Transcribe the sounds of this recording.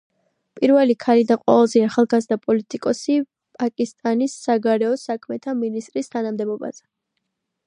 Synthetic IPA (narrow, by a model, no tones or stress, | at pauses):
pʼiɾvɛlikʰalid̪aqʼwa̰vɛlˠzɛaχalˠɡazd̪apʼɔlit̪ʼikʼɔsi | pʼakʼist̪ʼanisːaɡaɾɛɔsakʰmɛt̪ʰaminist̪ʼɾist̪ʰanamd̪ɛbɔba̰z̥ɛ